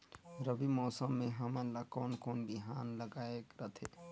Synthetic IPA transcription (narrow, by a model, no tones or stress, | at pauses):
ɾəbimɔːsəmːẽɦəməlakɔːnkoːnbiɦaːnləɡaːekɾət̪ʰe